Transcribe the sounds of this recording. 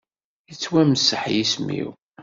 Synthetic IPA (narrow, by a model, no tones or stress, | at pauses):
jət͡sːwæməsəħjismḭw